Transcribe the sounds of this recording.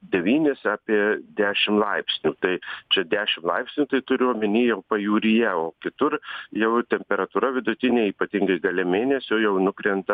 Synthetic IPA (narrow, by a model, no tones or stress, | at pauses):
d̪ʲɛʋʲiːnʲɪsɑːpʲiɛd̪ʲæːʃʲɪmlˠɐɪpʲsʲnʲuːt̪ɐɪt͡ʃʲɛd̪ʲæːʃʲɪmlˠɐɪpʲsʲnʲuːt̪ɐɪt̪ʊɾʲʊoːmʲɪnʲiːjɛʊpɐjuːɾʲijɛoːkʲɪt̪ʊrjɛʊt̪ʲɛmʲpʲɛɾɐt̪uːɾɐʋʲɪd̪ʊt̪ʲɪnʲeːiːpɐt̪ʲɪŋɡɐɪɡɐlʲɛmʲeːnʲɛsʲojɛʊnʊkɾʲɛnt̪ɐ